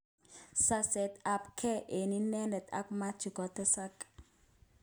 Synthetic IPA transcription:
sa˦sɛ˨t̪a˨pkʰɛ˦ʔe˨ni˦nɛ˦nɛ˨t̪a̰˦kma˦t͡ʃi˨ɡɔ˨t̪ɛ˦sa˦k

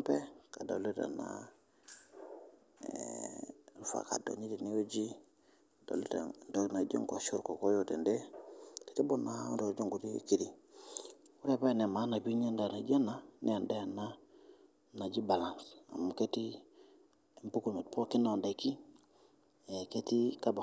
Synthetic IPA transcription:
mpe˦ka˨do̰˨li˦ta̰na̰ | fa̰˨ka̰do̰˨ɲi˦tini˦o˦d͡ʒi˦ | do̰˨li˦ta̰do˦kna˨d͡ʒo̰˦ŋka˨ʃu˦ɾko˨ko˦jote˨nde˦ke̥ti˦bu˦nado˨d͡ʒo˦ŋɡu˨tḭki˦di˨ | uɾe˦˨pa˦˨ne˨ma˦na˨bi˦ɲa˦ndana˨d͡ʒia˦na˦nʔe˦a˨nda˦janːa | na˨ɟi˦ba˨la˨nsa̰˨muketi | e˨mpu˦kulme˨t̚po˦ki˦no˨nda˨ki | eke˦tikaba˨

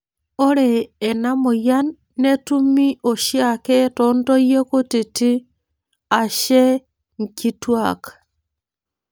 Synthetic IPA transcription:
o˦ɾeː˨na˦mo˨janː | e˦tu˦mi˦ʔo˨ʃjake˦tondo˦je˦ko˦ti˨ti˦ | a˨ʃe˦ | ŋkitwakḁ

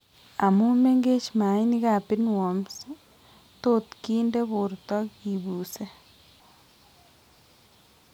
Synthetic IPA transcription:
a˨mu˦me˦ŋɡe˦t͡ʃma˨i˦ni˦ka˨pi˦nwo˨ms | to˦t̪kiː˦nde˦βo˨ɾt̪ɔ˦ki˨βuː˨se˦

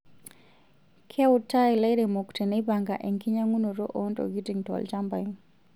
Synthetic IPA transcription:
kʰɛ˦ʊtːa˦e˨lɛ˦ɾɛ˨mo˨kte˨nɛ˦baŋɡa˨ʔɛ˨ŋki˦ɲa˦ŋu˦no˨ɾo˦ʔo˦ntɔ̰˨ɡi˦ti˨ŋtɔ̰˨lt͡ʃa˦mba˨in

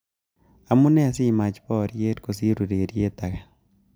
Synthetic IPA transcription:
a˨mu˦nɛ˦a˨si˦ma˨t͡ʃpɔ˦ɾje˦tko˨si˦ɾu˨ɾeː˨ɾje˦ta˨kɛ˨

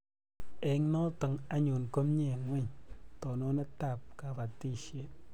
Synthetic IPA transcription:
ɛ˨˦ŋnɔ˦tɨ˨ŋa˦ɲu˨nko˦mɲe˦˨ŋwɛ˦˨ɲtɔ˨nɔ˦ne˦ta˦˨p̚ka˨ba˨ti˦˨ʃe˦

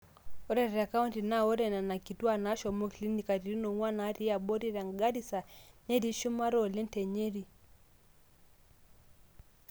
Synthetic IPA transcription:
ɔ˦ɾɛ˦ɾa˨ka˦u˦nti˨na˦ɔ˦ɾɛ˨na˨na˨ki˨tu˦a˦˨na˦ʃɔ˨mɔ˦ki˨li˦ni˨ka˨ɾi˨ɾi˦nɔ˨ŋwa˦na˨˦ɾi˦a˨bɔ˦ɾi˦ɾa˨ŋɡa˦ɾi˦sa˨nɛ˦ɾi˦ʃu˦ma˦ɾɔ˨lɛ˦n˦tɛ˨ɲe˦ɾi˨

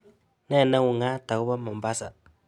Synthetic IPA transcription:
nɛ˦˨na˦wu˨ŋa˦ta˨ku˦ba˦ma˨m˨ba˦sa˨

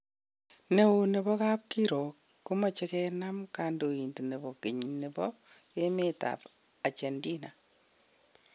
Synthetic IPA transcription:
ne˨wune˨bɔ˦ka˦p̚kiɾo˨kːu˦ma˨t͡ʃɛkɛna˦mkando˨i˨nti˨ne˨bɔkiɲnɪ˨bɔ | jemeta̰p | a˨t͡ʃendina

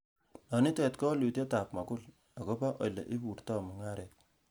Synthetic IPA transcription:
nɔ˨ni˦tɛ˨tkɔ˦lu˨tje˦ta˨pma˨kʊ˦l | a˨ko˦pa˦ʔo̰˨lḛ˨ʔi˦pu˨ɾtɔ˦mɔ˨ŋa˦ɾɛ˨t̚

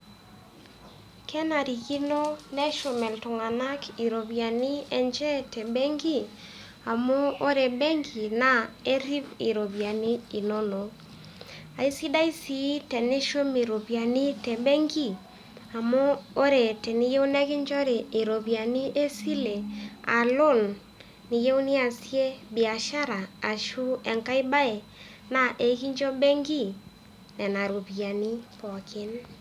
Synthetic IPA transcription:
kʰɛ˦na˨ɾi˨ki˦no˦nɛ˦ʃo˨mɛ˨ltu˨ŋa˨na˦ki˨ɾo˨βja˨nɪ˦ɛ˨ɲd͡ʒɛ˦tɛ˨bɛ˦ŋɡi˦ | a˨mo˦o˦ɾe˨bɛ˦ŋɡi˨na˦e˦ɾi˦βi˨ɾo˨βja˨nɪ˦i˨no˦no˨ | a˨i˦si˦da˦i˦si˨˦tɛ˨ne˦ʃo˦me˨ɾo˨βja˨ni˦tɛ˨bɛ˦ŋɡi˦ | a˨moː˦ɾe˨tɛ˨ni˦je˦u˦nɛ˦kɪ˦ɲd͡ʒɔ˦ɾe˨e˨ɾo˨βja˨ni˦ʔe˦si˦le˨a̰˨lo˦˨nː | i˨je˦u˦ni˦a˨sje˦bi˨a˨ʃa˦ɾaː˨ʃu˦ɛ˨ŋka˦i˦ba˦e˨ | na˨ʔe˨˦ki˦ɲd͡ʒɔ˦bɛ˦ŋɡi˦˨ | nɛ˨na˨ɾo˨βja˨ni˦pɔ˨kɪ˦n

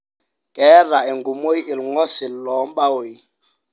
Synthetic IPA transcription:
kʼɛ˦ra˨e˨ŋɡu˨mo˦i˦ʔi˨lŋɔ˦si˨llɔ˨˦mɓa˦wi˨

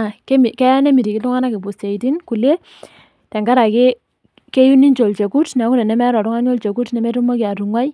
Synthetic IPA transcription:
ke˦mi˨kɛ˦nɛ˦mi˨ɾi˨kɪ˨˦tu˦ŋa˦na˦ke˨pu˨se˨i˨ti˦nku˨le˦ | tɛ˨ŋɡa˦ɾa˨ke˦ | ke˦ju˦ni˦nt͡ʃo˨lt͡ʃe˨ku˦tn˨˦ku˦ɾɛ˨nɛ˨˦mɛ˦ɾɔ˨ɾʊ˦ŋa˦ɲo˦lt͡ʃe˨ku˦tnɛ˨mɛ˦tu˦ma˦kɪ˨a˨tu˨ŋwa˦j

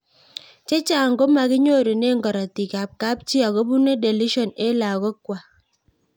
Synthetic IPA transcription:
t͡ʃe˦t͡ʃa˦˨ŋ̩˨ɡo˦ma˨ki˦ɲo˦˨do˨ne˦˨ŋ˨ɡɔ˨ɾa˨ti˨ka˨p̚ka˦p̚t͡ʃi˦a˨ɡɔ˦bu˦ne˦de˨li˦ʃɔ˨ne˦la˨ɡɔ˦kwa˨

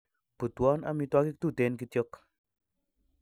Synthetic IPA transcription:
pu˨twɔ˦na̰˨mi˧twa˦ki˦k̚t̪u˦˨t̪e˨˦nki˧tjo˦k

